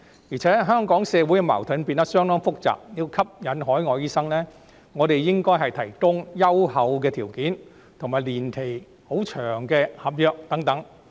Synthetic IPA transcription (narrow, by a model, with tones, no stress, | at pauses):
jiː˨˩t͡sʰɛː˨˥ɦœː˥ŋkɔː˨˥ŋsɛː˧wu˨˥jkɛ˧mɐ̰˨˩wt̪ʰɐ˨˥npiː˧nt̪ɐ˥t̚sœː˥ŋnɔː˥ŋfʊ˥k̚t͡sa̰ː˨p̚jiː˧wkʰɐ˥p̚jɐ˨˥nɦɔː˨˥jŋɔː˨˧jiː˥sɐ˥ŋlɛː˥ | ŋɔː˨˧t̪e˨jjɪ˥ŋkɔː˥jɦɐ˨jt̪ʰɐ˨˩jkʊ˥ŋjɐ˥whɐ˨˧wk̬ɛː˧t̪ʰiː˨˩wkiː˨˥n | t̪ʰʊ˨˩ŋmaː˨˩jliː˨˩nt̪ʰe˨˩j | ho˨˥wt͡ʃʰœː˨˩ŋkɛː˧hɐ˨p̚jœː˨k̚t̪ɐ˨˥ŋt̪ɐ˨˥ŋ